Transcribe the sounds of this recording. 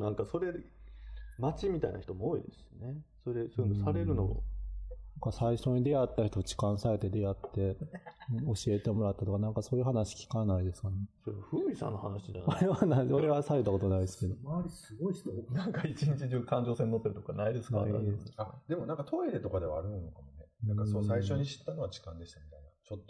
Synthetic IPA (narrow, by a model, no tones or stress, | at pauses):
nãŋkaso̞ɾe̞ | mat͡ɕimʲit̪a̰ḭna̰çi̥t̪o̞mooːḭd̪e̞sɨ̥ɨ̥nesoɾed̪esonosaɾe̞ɾɯ̟no̞̰nãŋkasaiɕo̞ːɲ̟id̪e̞at̪ːaçi̥t̪ot͡ɕi̥kãɰ̃sae̞t̪e̞d̪e̞jat̪ːe̞ɯ̟̃o̞ɕie̞t̪e̞mo̞ɾat̪ːat̪o̞kanãŋkaso̞ːjɯ̟ɦanaɕi̥kʲi̥kanaid̪e̞sɨ̥kaɾnsoɾeβaɸɯ̟ːɾʲisã̰nːohanaɕid͡ʒa̰noɾeβanaioɾe̞βasaɾet̪ːako̞t̪o̞naid̪esɨ̥ke̞d̪oaɾʲisɨɡoiɕt̪onãŋkait͡ɕiɲit͡ɕiʑɨːkãɲ̟d͡ʑo̞ːsẽnːot̪ːeɾɯ̟t̪o̞koa̰naid̪e̞sɨ̥nk̪aiesad̪e̞monãŋkat̪ʰo̞edɾe̞t̪okad̪e̞βa̰ːɾɯ̟ĩno̞kamo̞nenãŋkasosaiɕo̞ɲ̟iɕi̥t̪ːano̞βad͡ʑi̥kãnd̪e̞ɕi̥t̪amʲit̪ainat͡ɕot̪ːo